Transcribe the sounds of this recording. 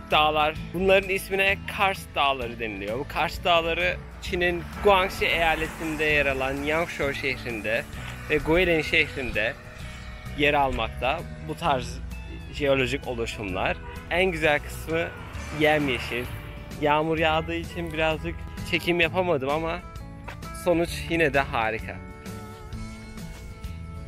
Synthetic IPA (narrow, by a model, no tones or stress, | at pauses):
d̪̥aːlˠaɾ̥bunlˠaɾɯnisminɛkʰaɾsd̪aːlˠaɾɯd̪e̞nilʲijo̞bukʰaɾsd̪aːlˠaɾɯ | t͡ʃʰininɡ̥uaŋksiejaːlʲet̪ʰind̪ɛjaɾalˠanjaŋkʃoʃeçɾind̪ɛvɛɡoelʲinʃɛçɾind̪ɛ | jeɾalˠmak̚t̪ʰa | but̪ʰaɾz | ʒeo̞lʲo̞ʒico̞lˠuʃumlˠa̰ɾ̥ | ænɟyzælʲkʰɯ̥smɯ | jæmjeʃin | jaːmuɾjaːd̪ɯit͡ʃʰinbiɾazd͡ʒɯkt͡ʃʰe̞cʰimjapʰamad̪ɯmama | so̞nut͡ʃjinɛd̪ɛɦaːɾikʰa̰